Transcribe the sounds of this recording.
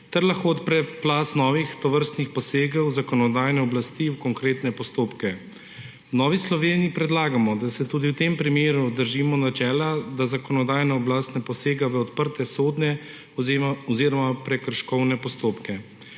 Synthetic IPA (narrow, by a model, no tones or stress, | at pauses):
t̪ɛɾlaxkoːt̪pɾɛplaːsnɔːʋixt̪ɔʋəɾst̪nixpɔseːɡɛwzakɔnɔd̪aːjnɛɔblast̪iwkɔŋkɾeːt̪nɛpɔst̪oːpkɛ | wnɔːʋislɔʋeːniːpɾɛd̪laːɡamɔd̪asɛt̪uːd̪iwt̪empɾimeːɾud̪əɾʒimɔnat͡ʃɛːlad̪azakɔnɔd̪aːjnaɔblaːst̪nɛpɔseːɡaʋɛɔt̪pəɾt̪ɛsoːd̪nɛ | ɔɔziɾɔmapɾɛkəɾʃkɔwnɛpɔst̪oːpkɛ